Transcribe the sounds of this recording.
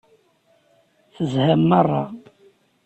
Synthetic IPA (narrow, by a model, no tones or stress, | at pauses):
θəzhæmːərˤːɑ